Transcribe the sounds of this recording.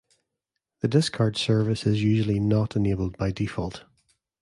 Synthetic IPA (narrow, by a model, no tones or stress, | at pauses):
ðədɪskʰaɹd̥sɜ˞vɪsɪzjʉːʒəl̩ˠinəʔɪnebəlˠd̚baɪdifɔlˠt